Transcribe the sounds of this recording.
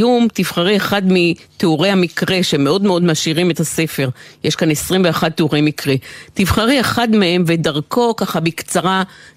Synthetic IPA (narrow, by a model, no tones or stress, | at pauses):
umtifχaʁieχadmit̪euʁejhamikʁeʃemeo̞dmeo̞dmaʃiʁimetase̞fe̞ʁjeʃkanesʁimveaχad̚t̪euʁejmikʁetifχaʁieχadmee̞mve̞daʁko̞kaχabikt͡saʁa